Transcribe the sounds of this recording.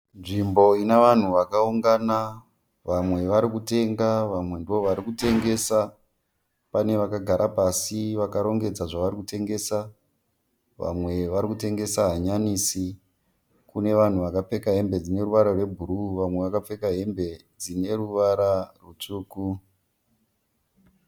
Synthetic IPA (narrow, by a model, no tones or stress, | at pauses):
nʐimbo̞inaʋan̤uʋakauŋɡaːna | ʋamwe̞ʋaɾikute̞ŋɡaʋamwe̞ndiʋo̞ʋaɾikute̞ŋɡe̞sa | pane̞ʋakaɡʱaɾʔapasiʋakaɾo̞ŋɡe̞d͡zaʐaʋaɾikute̞ŋɡe̞sa | ʋa̰mwe̞ʋaɾikute̞ŋɡe̞saɦaɲanisi | kune̞ʋan̤uʋakap͡fe̞kaɦe̞mbe̞d͡zine̞ruʋaɾarwe̞bʱuɾuʋamwe̞ʋakap͡fe̞kaɦe̞mbe̞ | d͡zine̞ruʋaɾarut͡ʂuːku